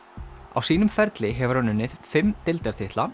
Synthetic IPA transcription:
a̰wsiːnʏmfɛɾt̪lɪɦɛvʏɾ̥hanːʏnːɪð̥fɪmːt̪ɪlt̪ɛɾ̥t̪ʰɪht̪la

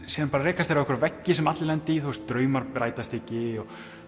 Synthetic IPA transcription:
siːðanpaɾaɾɛːkast̪ejɾavɛhkvɾvɛcːɪsɛmat̪lɪlɛnt̪ɪiθuwst̪ɾœːɥmaɾɾaːjt̪ast̪ɪcɪɔ

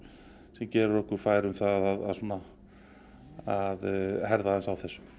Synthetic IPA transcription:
sɛmcɛːɾʏɾɔhkʏɾ̥faːjɾʏmθaðaða̰ðsuɔːna | aðhɛɾðaðɛnsawθɛsːʏ̥m

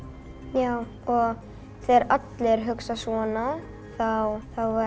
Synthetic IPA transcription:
jaːw | ɔɣ | θeɾat̪lɪɾɦʏksasvɔːna | θawθawva

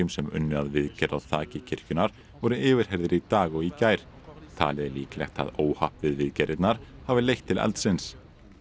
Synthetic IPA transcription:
ʏmsɛmʏ̰nːʏaðvɪðcɛɾaðθaːcɪcʰɪɾ̥cʏnaɾ̥ | vɔɾʏɪːvʏɾ̥ɦɛɾðɪɾit̪aːɣɔicaːjɾ̥ | t̪ʰa̰ːlɪðɪliːklɛ̰xt̪ʰa̰ðoːwhahpvɪðvɪðcɛɾɪt̪naɾ̥havɪlejht̪ʰːɪlɛ̰lt̪sɪns

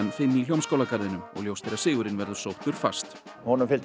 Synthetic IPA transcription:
anfɪnːiljowmskowlakaɾðɪnʏmɔ̰ɣljowst̪ejɾasɪːɣʏɾɪnvɛɾðʏsowht̪ʏɾ̥fa̰st̪ | hɔnʏmfɪlt̪

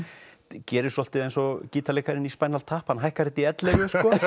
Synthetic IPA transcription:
cɛːɾɪsɔlt̪ɪðejnsɔciːt̪aleːkaɾɪnispaːjnalt̪ʰaːhpanɦajhkaɾɪt̪iɛt̪lɛjʏsɔ

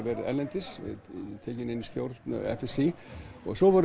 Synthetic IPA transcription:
vɛːɾɪɛ̰ɾlɛnt̪ɪsɪ̰t̪ʰɛːcɪnɪnːist̪jowɾt̪nʏ̰ɛ̰fɛsiɔ̰ɣsɔvaɾ

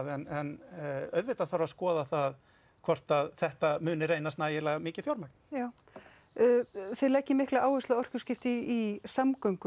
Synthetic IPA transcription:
ðɛnɛnœɥðvɪt̪aθawɾaskɔːðaθað | kʰvɔr̥t̪aðθɛht̪amʏːnɪɾejnast̪naːjɪlɛːɣamɪːcɪfjowɾmak̚n̥jaːw | θelɛhcːɪmɪhklaʔaːwvɪst̪aɔr̥cʏ̥scɪft̪ɪisamkœɥŋkʏ

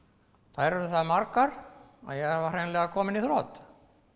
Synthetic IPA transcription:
θaðɾɛɾʏθaðmaɾkaɾ | a̰ðjɛɣavḁrejnlɛɣakʰɔːmɪniθɾɔːt̪

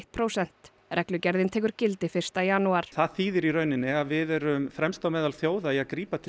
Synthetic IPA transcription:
t̪̚pʰɾowsɛn̥t̪ | ɾʔɛklʏcɛɾðɪnt̪ʰɛːkʏɾ̥cɪlt̪ɪfɪr̥st̪ajaːnuaɾ̥θaðθiːðɪɾiɾœɥnɪnːɪaðvɪðɛɾʏmfɾɛmst̪awmɛːðalθjoːwðaiaðkɾiːpat̪ʰɪ

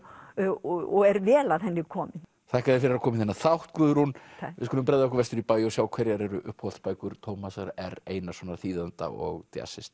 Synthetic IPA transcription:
ɔɛɾvɛːlaðhɛnːɪkʰɔːmɪn | θʰaɛhkaðɪɾfɪɾɪɾakʰɔːmɪnθɛnːaθawht̪kʏːðʏɾhunvɪðskɔlʏmpɾɛðaɛhkʏɾvɛst̪ʏɾipaːjɔsjaːwkʰvɛɾjaɾɛɾʏʔʏhphɔwt̪spaːjkʏɾ̥t̪ʰowmasaɾɛɾeːjnasvɔːnaɾθiːðant̪a̰ɔ̰ɣt̪ja̰sɪst̪

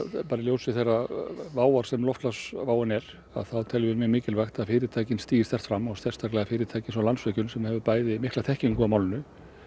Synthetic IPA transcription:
paːɾɪljowsɪθejravaːwaɾ̥sɛmlɔwft̪lasvaːwanɛɾ | a̰ðθaðt̪ʰɛlvɪɾmɛmɪːcɪlvajxt̪aðfɪːɾɪt̪ʰaːjcɪnst̪iːjɪst̪ɛr̥t̪fɾamːɔɣsɛr̥st̪ʰaɾklɛːɣafɪːɾɪt̪ʰaːjcɪnsɔwlansvɛcʏnsɛmhɛvʏpaːjðɪmɪhklat̪ʰɛhciŋkamaːwlnʏ

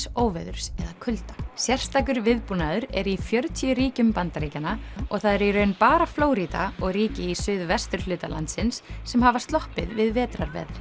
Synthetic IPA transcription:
oːwvɛðʏɾ̥sɛðakʰʏlt̪ḁsjɛr̥st̪aːkʏɾvɪðpunaðʏɾɛɾifjœɾt̪ʰiʏɾiːcʏmpant̪aɾiːcanaɔɣθaðɛɾiɾœːɥnpaːɾafloːwɾit̪a̰ɔɣriːcɪisʏðvɛst̪ʏɾ̥lʏːt̪ala̰nt̪sɪnsːɛmhaːvast̪lɔhpɪðvɪðvɛːt̪ɾaɾvɛ̰ðɾ

